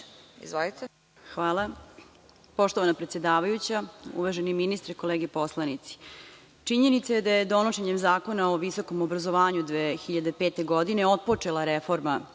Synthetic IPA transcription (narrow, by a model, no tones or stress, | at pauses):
ḭzvolit̪e | xʋaːlˠa | po̞ʃt̪oʋanapɾet̪sje̞d̪aːʋajut͡ɕaṵʋaʒeniminist̪ɾeko̞leːɡepo̞slˠanit̪si̥ | t͡ʂiɲenit̪sajed̪ajed̪o̞noʃeɲemzaːko̞naoʋiso̞ko̞mobɾazoʋaːɲud̪ʋeːxiʎad̪epeːt̪e̞ɡo̞d̪ine̞o̞t̪̚po̞t͡ʂe̞lˠaɾefo̞ɾma